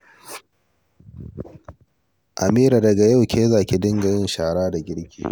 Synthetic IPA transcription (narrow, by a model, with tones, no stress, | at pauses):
ʔa˨miː˦ɾa˨dɐ˨ɡa˨ja˦˨wkʲʰeː˦zaː˦˨kʲi˨dɪ˦ŋɡa˨jɪ˦nʃaː˨ɽaː˦da˨ɡʲɪ˦ɽkʲʰḭː˨